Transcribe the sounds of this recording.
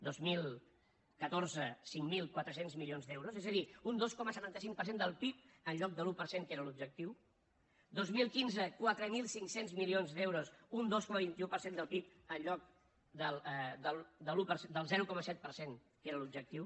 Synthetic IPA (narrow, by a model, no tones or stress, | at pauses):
d̪ozmilˠ | kət̪orzəsiŋmilˠkwat̪ɾəsenzmilionzðewɾozezəðiund̪oskɔməsət̪ant̪əsiŋpəɾsend̪əlˠpip̚ənʎɔk̚d̪əlupəɾseŋkeɾəlub̚ʒək̚t̪iw | d̪ozmilˠkinzəkwat̪ɾəmilˠsiŋksenzmilionzd̪ewɾosund̪oskɔməβint̪iupəɾsend̪əlˠpip̚ənʎɔk̚ | d̪əlˠd̪əld̪əlupəɾsed̪əlˠzɛɾukɔməsɛt̪̚pəɾseŋ | keɾəlub̚d͡ʒək̚t̪iw